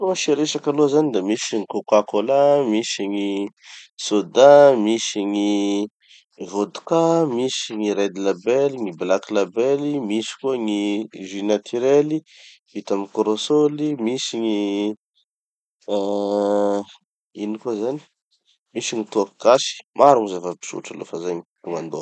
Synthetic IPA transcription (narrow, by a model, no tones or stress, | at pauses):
uaʃeɾeʃakalozanid̪amisiŋikokakolamisiŋi | sod̪amiʃiŋi | vod̪u̥kamisiŋiɾed̪ilabeliŋiblakilabɛlimiʃi̥kuaŋiʒinat̪ʰiɾeli | it̪amikoɾosolimisiɲi | inikuzani̥ | misiŋit̪uakiɡ̥asi̥mʔaɾuŋizavapi̥ʃṵʈ͡ʂalo̰fazaɲitumand̪o